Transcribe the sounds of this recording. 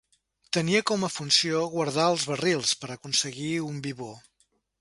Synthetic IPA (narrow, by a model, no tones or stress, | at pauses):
t̪əniəkɔməfunsioɣwəɾð̞aəlˠzβərilˠspəɾəkunsəɣiumbiβo